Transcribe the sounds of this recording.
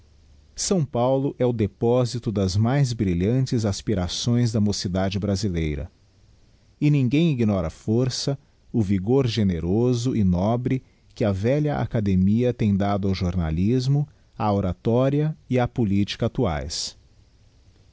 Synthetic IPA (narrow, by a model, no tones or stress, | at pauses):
sɐ̃w̃pawlʊʔɛʊd̪epɔzit̪ʊd̪ɐzmajzbɾiʎɐ̃nt͡ʃɪzaspiɾasõj̃zd̪ɐmosid̪ad͡ʒɪbɾazilejɾɐ̰ | ɪnĩŋɡẽj̃iɡnɔɾɐfoɾsɐ | ʊviɡoɾʒeneɾozʊʔɪnɔbɾɪ | kɪɐvɛʎɐʔa̰kad̪emiɐt̪ẽj̃d̪ad̪ʊawʒoɾna̰lizmʊ | aoɾat̪ɔɾiɐɪapolit͡ʃi̥kɐat̪ua̰js